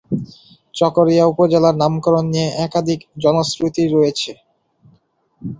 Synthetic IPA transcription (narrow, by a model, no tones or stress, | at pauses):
t͡ɕɔkoɾijaupod͡ʑelaɾnamkɔɾonːijeʔɛkad̪ʱikd͡ʑɔnosɾut̪iɾojet͡ɕʰe